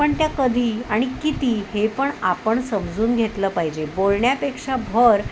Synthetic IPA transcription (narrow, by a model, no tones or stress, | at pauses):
pəɳt̪jakəd̪ʱiːaɽ̃ikit̪iːhepəɳapəɳsəmd͡zuːnɡʱet̪ləːpaɦid͡ʑebolɳjapekʂabʱəɾ